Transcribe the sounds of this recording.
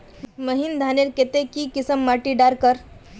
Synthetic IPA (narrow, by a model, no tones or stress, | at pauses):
məɦind̪ʱaneɾket̪ekiːkisəmːaʈiɖaɾkəɾ